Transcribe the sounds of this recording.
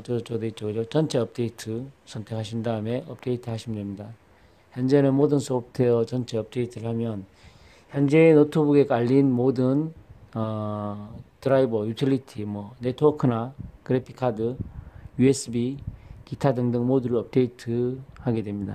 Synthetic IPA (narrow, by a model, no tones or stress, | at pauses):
t͡ɕʌt͡ɕodeit͡ɕ͈ʰʌɡɯd͡ʑot͡ɕʌnt͡ɕʰe̞ʌp̚t͈e̞itʰɯsʰʌntʰe̞kʰaɕ̬ʰindaɯme̞ʌp̚t͈e̞itʰɯhaɕʰimndwemɲida | çjʌnd͡ʑe̞nɯnmodɯnsʰop̚tʰejʌt͡ɕʌnt͡ɕʰe̞ʌp̚t͈e̞itʰɯɾɯɭamjʌn | çjʌnd͡ʑe̞ːnotʰobuɡe̞k͈aʎːinmodɯnʌ | tɯɾaibʌjutʰilitʰimwʌne̞tʰokʰɯnakɯɾepʰi̥kʰadɯjues͈ɯbikitʰadɯŋdɯŋmoduɾɯɭʌp̚t͈e̞itʰɯhaɡe̞dwe̞mɲida̰